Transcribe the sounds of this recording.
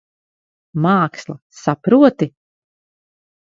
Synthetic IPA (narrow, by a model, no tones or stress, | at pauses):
maːkslˠa | sapɾuɔt̪i